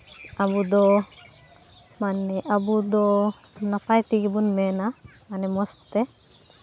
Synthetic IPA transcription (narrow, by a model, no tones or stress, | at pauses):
abud̪ɔ | manɛʔabud̪ɔ | napajʈiɡɛbunmɛnamanɛmɔst̪ɛ